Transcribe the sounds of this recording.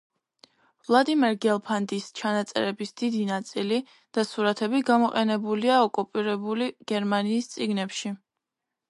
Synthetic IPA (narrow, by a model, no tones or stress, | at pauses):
vlˠad̪imɛɾɡɛlˠpʰand̪ist͡ʃʰanat̪sʼɛ̰ɾɛbisd̪id̪inat̪sʼili | d̪̥asuɾat̪ʰɛbiɡamɔqʼɛnɛbuliaɔkʼupʼiɾɛbuliɡ̥ɛɾmaniːst̪sʼiɡnɛpʃi